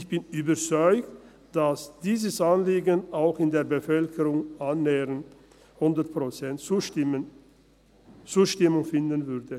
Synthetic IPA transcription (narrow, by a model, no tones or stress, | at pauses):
çb̥ɪnyːbɐt͡sɔʏkt | d̥asd̥iːzəsʔanliːɡənʔaʊxɪndeːɐbəfœlkʰəʁʊŋʔanːeːʁən | hʊndɐtpʁ̥ot͡sɛntːɪə | t͡suːʃtɪmʊŋfɪndənvʏʁdə